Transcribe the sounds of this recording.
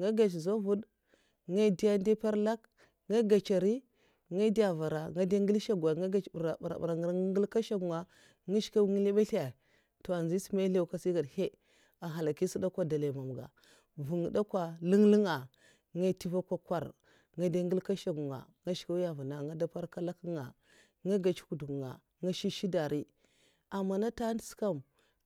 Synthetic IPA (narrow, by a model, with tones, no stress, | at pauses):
ŋa˦ɡa˨t͡ʃzo˦vu˦d | ŋa˦di˦ja˦nde˦pa˦ɾla˦k | ŋa˦ɡa˨t͡ʃa˨ɾi˦ | ŋa˦di˦ja˨va˨ɾa˨ŋa˦da˦ŋɡi˦lʃa˦ɡa˨ŋa˦ɡa˦t͡ʃɾa̰˨ɾa̰˨b̰ɾa˨ŋ˨ɾŋɡi˦lka˦ʃa˦ɡu˨ŋa˨ | ŋa˦ʃka˦wŋi˦le˦ɓa˦ɬa˨ | to˨a˨nzi˦si˦ma˦ɬe˦ka˦si˦ɡa˨dhe˦ | a˨ɦa˨la˨ki˦si˦da˦kʷa˦da˨la˨ma˨m˨ɡa̰˨ | vu˨ŋ˨da˦kʷa˦li˦ŋlə˦ŋa˨ | ŋa˦ti˦va˦kʷa˦kʷa˦˨ɾ | ŋa˦da˦ŋɡi˦lka˦ʃa˦ɡu˨ŋa̰˨ŋa˦ʃka˦wja˨vu˨na˨ŋa˦da˦pa˦ɾka˦la˦ki˦ŋa˨ | ŋa˦ɡa˨t͡ʃi̥˦ku˨du˨ŋa̰˨ | ŋa˦ʃi˦ʃi˦da˨ɾi˦ | a˨mːa˨na˦ta˦n˦˨˦ska˦m